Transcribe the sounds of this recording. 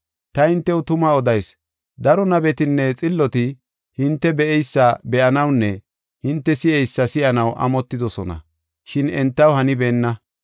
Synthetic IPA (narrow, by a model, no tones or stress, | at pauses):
t̪ɐhɪnt̪ːɛwʊt̪ʊmɐɔd̪ɐjs | d̪ɐɾɔnɐbɛt̪ɪnːɛt͡sʼɪlːɔt̪ɪ | hɪnt̪ːɛbɛʔɛjsːɐbɛʔɐnɐwnːɛ | hɪnt̪ːɛsɪʔɛjsːɐsɪʔɐnɐwʔɐ̰mɔt̪ːɪd̪ɔsɔnɐ̰ | ʃɪnɛnt̪ːɐwhɐnɪbeːnːɐ